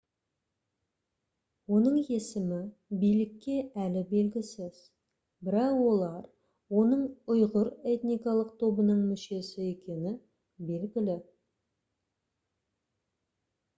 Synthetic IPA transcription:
wo̞nəɴe̞sɪmɪbijlɪkʲːe̞ʔælɪbe̞lɡʲɪsɪz̥ | bɪɾɑqwo̞lˠɑɾ | wo̞nəɴʊjʁʊɾe̞t̪nijkɑlˠəq̚t̪ʰo̞bənəɴmʏʃe̞sɪe̞kʲe̞nɪ | be̞lɡʲɪlɪ

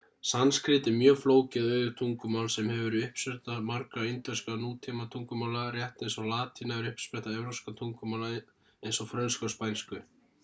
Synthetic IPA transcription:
sanskɾɪːt̪ɪmjœːfloːwcɪðœːɥʏt̪ʰuŋkʏmaːwlsɛmhɛvʏɾʏʏhpsɛht̪amaɾkɾaejnt̪œskanuːt̪ʰimat̪ʰuŋkʏmaːlarjɛht̪nejnsɔlaːt̪ʰinaɛɾʏhpspɛht̪aɛvɾowskat̪ʰuŋkʏmala | ejnsɔfɾœnskɔspajnskʏ

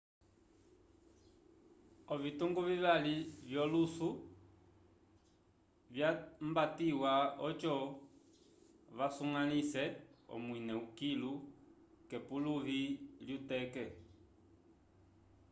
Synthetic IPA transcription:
ɔvituŋɡuviβalivjɔlusu | vjambatiwaɔt͡ʃɔ | βasuŋanisɛɔ̰mwinɛukilu | kɛpuluβiljutɛkɛ

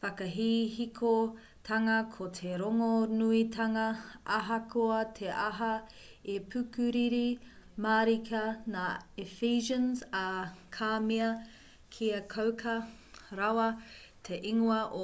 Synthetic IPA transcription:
fɐkɐɦiːɦikʰo | tʰɐŋɐkʰotʰeɾoŋonuitʰɐŋɐʔɐɦɐkʰoɐtʰeʔɐɦɐ | epʰʉkʉɾiɾimaːɾikʰɐnaːifiːʒɐnzɐkʰaːmiɐ | kʰiɐkʰɐwkʰɐ | ɾawɐ | tʰeʔiŋoɐʔo

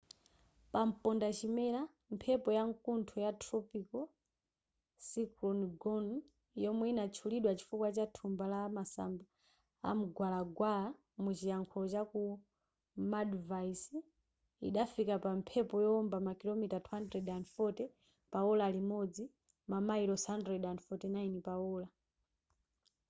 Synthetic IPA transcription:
pam̩pɔndat͡ʃimɛɾa | m̩pʰɛpɔjaŋkuntʰɔjatʰɾɔpikɔ | sikɔnɡɔn | jɔmwɛinat͡ʃʰuliɗwat͡ʃi̥fukwat͡ʃatʰumbalaːmasa̰mba | a̰m̩ɡwalaɡwala | mut͡ʃijaŋkʰɔlɔt͡ʃaku | madvais | ḭɗafikapam̩pʰɛpɔjɔɔmbamakilomitatʰwandɾɛdanfɔtɛ | paulaːlimɔd͡zi | mamaiɾɔshandɾɛɗanfɔtɛnainipaɔːla

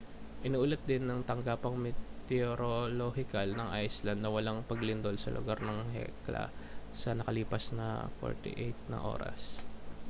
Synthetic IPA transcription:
ʔɪnuʔuːlɐt̪̚d̪ɪnːɐŋt̪ɐŋɡaːpɐŋmɛt̪ɛoɾolohɪkɐlnɐŋʔajslɐnd̪nɐwɐlaŋpɐɡlɪnd̪o̞lsɐ̰lʔʊ̰ɡaɾnɐŋɦɛ̰klɐ̰sɐnɐkɐliːpɐsnɐ̰fo̰ɹt̪ɪ̰ʔejt̪̚nɐ̰ʔo̞̰ːɾɐ̰s

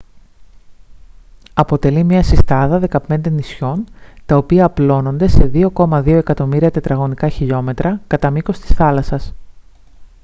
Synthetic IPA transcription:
ɐpo̞t̪e̞limɲɐsist̪ɐðɐðe̞kɐpe̞nd̪e̞nisço̞nt̪ɐo̞piɐːplo̞no̞nd̪e̞se̞ðio̞ko̞mɐðio̞e̞kɐt̪o̞miɾiɐt̪e̞t̪ɾɐɣo̞nikɐçiʎo̞me̞t̪ɾʔɐkɐt̪ɐmikost̪i̥sθɐlɐsɐs

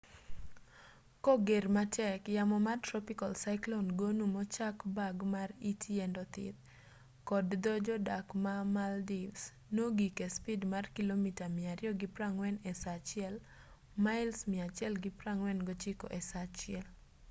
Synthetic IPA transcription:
kɔɡermatʰɛkjamɔmartɾɔpikalsaɪklonɡonumɔt͡ʃakbaɡmaritʰɛndɔt̪ɪ̰t̪ | kɔdd̪od͡ʒɔdakmamaldivs | noɡikespidmarkilomitamɪaɾɪjɔɡɪpɾaŋwɛnɛsat͡ʃɪɛl | maɪlsmɪat͡ʃɪɛlɡɪpɾaŋwɛnɡot͡ʃɪkɔ̰ʔɛsat͡ʃɪɛl

